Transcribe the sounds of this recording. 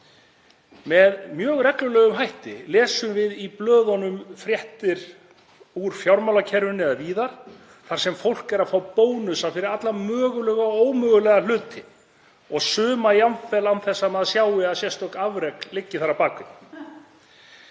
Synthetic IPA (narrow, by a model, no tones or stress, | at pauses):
mɛðmjœːɣrɛklʏlɛːɣʏmɦajht̪ɪlɛːsʏmvɪðiplœːðɔnʏmfɾjɛht̪ɪɾ̥ | uɾ̥fjawɾmawlacʰɛɾvʏnɛðaviːðaɾ̥ | θaɾ̥sɛmfowl̥kɛɾaðfaːwpoːwnʏsafɪɾɪɾat̪lamœːɣʏlœːɣaoːwmœːɣʏlɛɣal̥ʏːt̪ɪ | ɔɣsʏːmajanfɛlawnθɛsːamɛðasjaːwɪaðsjɛst̪ɔkavɾɛklɪcːɪθaɾapaːkʏn